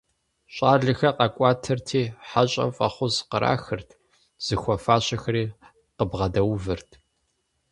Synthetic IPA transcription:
ɕʼaːrɮɨxɐqɐkʷʼaːtʰɐrtʰiːħaɕʼɐ̰mfʼɐχʷʊzqəɾʔa̰ːxɨrtʰ | z̥ɨxʷɔfaːɕʼɐxɐɾiː | qəbʁɐdɐwvɨrtʰ

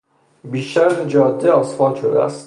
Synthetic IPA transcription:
biːʃæɾt̪ed͡ʒɒːd̪ːeɒːsfɒːd̪ʃod̪eæ̰st̪

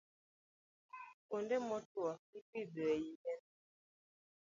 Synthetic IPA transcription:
kondɛmɔtwaipibeɛjiɲɛn

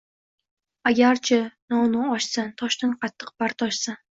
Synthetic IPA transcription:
aɡʲaɾt͡ʃʰanɒwnʊɒʃsant̪ʰɒʃnanqʰɑt̪ʰːɨq̚b̥aɾt̪ʰɒʃsan

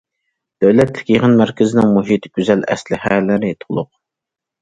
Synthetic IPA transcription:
d̪̥æwlɛt̪lɪ̥kʲjeʁɨnmæɾkʲʰɪzɪnɪŋmoɦit̪ʰɪ̥ɡʲyzɛlɛ̰slɪhælɪnɪt̪ʰʊlˠʊq̚

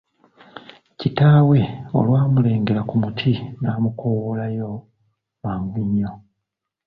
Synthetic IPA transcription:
citaːwe̞o̞̰lwaːmule̞ːŋɡe̞ɾakumutʰinaːmukʰowolajo̞ | maːŋɡiɲːo

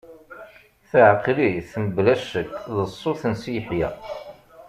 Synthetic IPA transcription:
θəʕqliθənəblæʃəkðəsˤːoθənsijħjæ̰

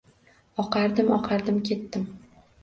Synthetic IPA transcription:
ɒqʰɑɾd̪ɪmɒqʰɑɾd̪ɪmkʲʰe̞t̪ːɪm

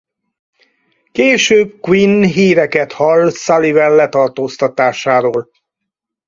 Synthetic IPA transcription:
keːʃøːb̚kwinɦiːɾɛkɛt̪hɒlsalivɛlːɛt̪ɒrt̪oːst̪ɒt̪aːʃaːɾoːl

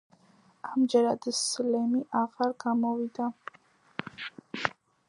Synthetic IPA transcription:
amd͡ʒɛɾad̪slɛmiʔaʁaɾɡamɔvid̪a

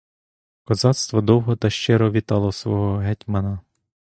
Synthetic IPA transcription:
kɔzɑt̪st̪ʋɔd̪ɔwɦɔt̪ɐʃt͡ʃɪɾɔʋʲit̪ɑlˠɔsʋɔɦɔɦɛtʲmɐnɐ

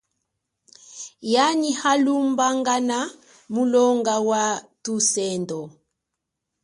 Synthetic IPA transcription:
janihalumbaŋɡana | mulɔŋɡawatusɛndɔ

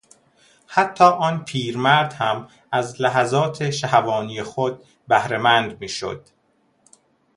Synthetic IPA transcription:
hæt̪ʰːɒːʔɒːnpʰiːɾmæɾd̪hæm | æzlæɦæzɒːt̪ʰeʃæhævɒːnijexod̪̚ | bæhɾemænd̪miːʃo̰d̪̥

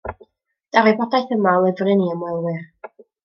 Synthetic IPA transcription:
d̥avibɔdajθəmalˠɪvrɨniəmwɛlˠwɨr

